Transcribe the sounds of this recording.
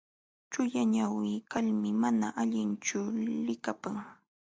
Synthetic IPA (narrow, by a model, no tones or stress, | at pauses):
t͡ʃʊjaɲawɪːkalmɪmanaʔaʎɪnt͡ʃʊlɪkapaŋ